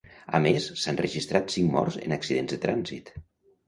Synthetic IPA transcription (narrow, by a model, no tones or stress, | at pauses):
ə̰mesːanrəʒist̪ɾat̪siŋmɔ̰rzə̰nəksiðenzðət̪ɾʔanzḭt̪